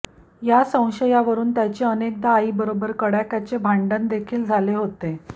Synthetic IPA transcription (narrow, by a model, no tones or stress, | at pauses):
jasə̃w̃ɕəjaʋəɾuːnt̪jat͡ɕeənek̚d̪aːiːbəɾobəɾkəɽjakjat͡ɕebʱaɳɖənd̪ekʰiːld͡zʱaleɦot̪e